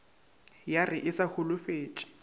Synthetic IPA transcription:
jarɪʔɪsahʰʊlʊfeːt͡ʃʼɪ̥

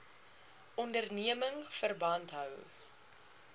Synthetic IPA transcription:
ʔɔndərniəməŋfərbɐntɦœw

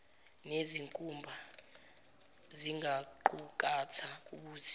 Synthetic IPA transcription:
neziŋkʼumbʱa | ziŋɡaǃuk̬ʼat͡sʰauk̬uːtʰi̥

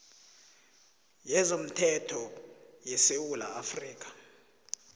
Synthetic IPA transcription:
jɛzom̩tʰɛtʰɔjɛsewula̰afriːk̬ʰʼḁ

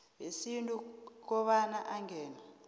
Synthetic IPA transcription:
ɦisintʼuk̬ɔɓanaʔaŋɛːna

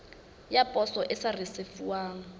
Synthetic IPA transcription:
japʼɔsɔʔɪsarɪsɪfuwaːŋ̩

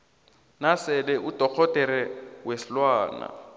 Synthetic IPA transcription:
nasɛlɛʔutʼɔk͡xʰɔtʼɛɾɛweslwaːna̰

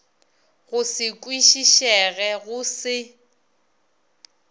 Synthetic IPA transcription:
ɣʊsɪkʼwiʃiʃɛɣɛɣʊsɪ

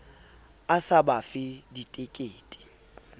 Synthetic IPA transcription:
asabafɪditʼekʼeːtʼi̥

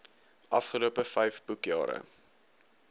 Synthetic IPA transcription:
ʔɐfχəluəpəfɛjfb̥ukjɑ̰ːɾə̰

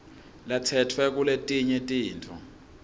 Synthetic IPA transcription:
latʰɛtʰwɛk̬uletʼiɲɛtʼiːntʰɔ̰

